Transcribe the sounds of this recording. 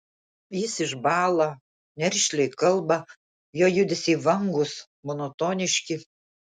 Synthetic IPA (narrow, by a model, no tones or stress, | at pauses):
jɪsɪʒbɑːlˠɐ | nʲɛɾʲʃʲlʲɛɪkɐlˠbɐ | joːjʊd̪ʲɪsʲiːʋɐŋɡʊs | mɔnɔt̪oːnʲɪʃʲkʲɪ